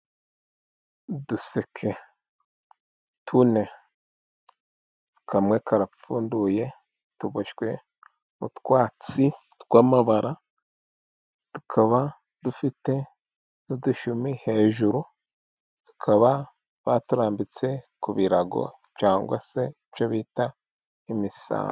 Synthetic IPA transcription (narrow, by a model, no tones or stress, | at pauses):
dusekʰe | tʰune̞ | tu̥kʰamwekʰaɾafuːnduje̞ | tuβoʃɡwe̞ | mṵtkwaːt͡si | tɡwaːmaβaɾʔa | tu̥kʰaβa | dufite̞ | nuduʃumihe̞ːʒuɾu | tu̥kʰaβa | βatuɾaːmbit͡se̞kuβiɾaɡo̞̰ | t͡ʃaːŋɡwa̰se̞it͡ʃoβiːta | imisa̰ː